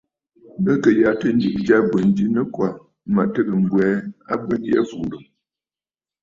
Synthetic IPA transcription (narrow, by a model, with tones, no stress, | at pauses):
bə˦kə˨ja˨tə˦n̩˦d͡ʒi˨ʔd͡ʒa˦bə˨n˦d͡ʒi˦nə˦kwa˨ | ma˨ʔtə˦ɡə˨ŋ̩˨ɡwɛː˨˦a˦bə˦n˦jɛ̰˦fu˨ɾə˨